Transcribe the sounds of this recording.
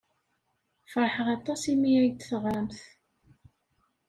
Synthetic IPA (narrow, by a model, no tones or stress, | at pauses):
fɾˤħəʁɑt̪ˤːɑsimiæjt̪θʁæmθ